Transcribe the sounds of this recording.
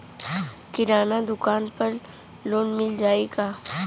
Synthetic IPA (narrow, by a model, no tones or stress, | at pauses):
kɪɾaːnad̪ʊkaːnpɐɾ | loːnmɪld͡ʒaːeːɡaː